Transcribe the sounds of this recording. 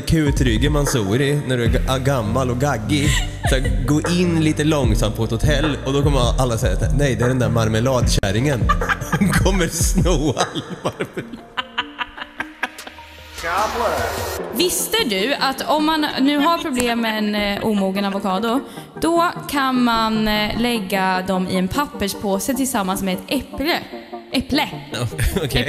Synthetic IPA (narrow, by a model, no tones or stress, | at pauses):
kʰʉ̟ːt̪ʰɾʏɡəmansuːɾɪnæɖɵæaɡamːalɔɡaɡːɪ | saɡoːʔɪnːliːt̪əlɔŋsamt̪̚pʰɔɛt̪hʊt̪ʰɛlːɔd̪ɔkʰɔmːəʔalːasɛjːat̪ænɛjd̪ɛæɖɛnd̪æɾmaɾməlɑːd̪ɕæɾɪŋənkʰɔmːəɾsnuːalmaɾm | a | vɪst̪əɖɵat̪ɔmːannʉ̟ːɦaɾpʰɾʊbleːmːɛːnʔṵːmuːɡənavʊkʰɑːd̪ʊ | d̪̥ɔkʰanmanlɛɡːad̪ɔmɪ̰ɛnpʰapːəʂpʰoːsət̪ʰɪlsamːansmɛɛt̪ɛpəʔɛplə | ɔkʰ